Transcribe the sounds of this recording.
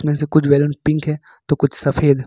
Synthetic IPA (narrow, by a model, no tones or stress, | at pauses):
smẽsekʊt͡ʃʰʋɛːlənpɪ̃ŋkɦɛː | t̪okʊt͡ʃʰsɐfeːd̪ʱɦ